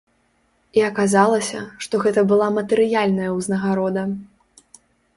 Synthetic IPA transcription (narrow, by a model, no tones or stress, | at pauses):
iɐkazalˠɐsʲɐ̰ʂt̪ɔɣɛt̪ɐbɨlˠamɐt̪ɨɾɨjalʲnɐjɐwznɐɣaɾɔd̪ɐ